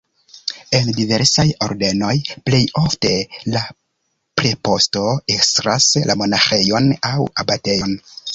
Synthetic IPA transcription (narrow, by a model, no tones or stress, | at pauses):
e̞ndive̞ɾsajo̞̰ɾde̞no̞jple̞jo̞fte̞la | pɾepo̞sto̞ekstɾaslʔa̰mo̞naxe̞jo̞nawabate̞jon